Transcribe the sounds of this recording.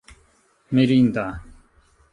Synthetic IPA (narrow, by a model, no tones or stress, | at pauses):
meɾiːnd̪aː